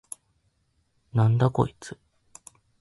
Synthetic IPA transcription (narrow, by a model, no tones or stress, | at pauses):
nãnd̪ako̞̰it͡sɨ̥